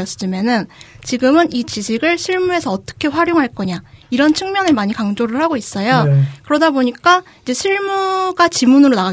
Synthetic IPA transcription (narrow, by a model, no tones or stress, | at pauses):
ʌs͈ɯmjʌnɯnt͡ɕiɡɯmɯnit͡ɕiɕʰiɡɯɭɕʰiɭmue̞sʰʌːt͈ʌ̥kʰe̞ɸwaɾjoŋɦaɭk͈ʌɲaiɾʌnt͡ɕʰɯŋmjʌnɯɭmaɲikaŋd͡ʑoɾɯɭhaɡois͈ʌjokɯɾʌdaboɲik͈a | id͡ʑe̞ɕʰiɭmuɡat͡ɕimunɯɾonaɡa